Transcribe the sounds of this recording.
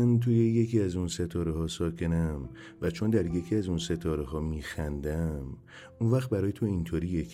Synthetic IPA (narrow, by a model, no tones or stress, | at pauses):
nt̪ʰuje̞je̞cʰiæzunse̞t̪ʰɒːɾehɒːsɒːcʰe̞næm | væt͡ʃʰond̪æɾje̞cʰiːæzunse̞t̪ʰɒːɾeɦɒːmiːxænd̪æm | unvæxt̪̚bæɾɒːjet̪ʰo̞int̪ʰoːɾiːjekʰ